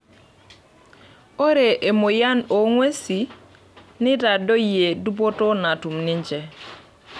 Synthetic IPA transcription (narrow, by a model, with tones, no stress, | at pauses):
o˦ɾe˨ʔe˨mo˨ja˦no˨ŋwe˦si˨ | ni˦da˨do˦je˨du˦bo˦to˦na˨tu˨mni˦ɲd͡ʒe˨